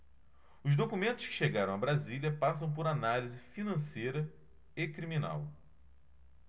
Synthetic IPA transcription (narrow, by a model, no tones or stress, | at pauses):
ʊzd̪okumẽnt̪ʊ̥ʃkɪ̥ʃeɡaɾɐ̃w̃ɐbɾaziliɐpasɐ̃w̃pʊɾanalizɪfinɐ̃sejɾɐ | ekɾimĩna̰w